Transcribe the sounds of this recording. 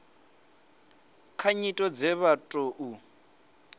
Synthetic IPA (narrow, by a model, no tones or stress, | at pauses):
kʰaɲitʼɔd͡zɛβatʼoʔu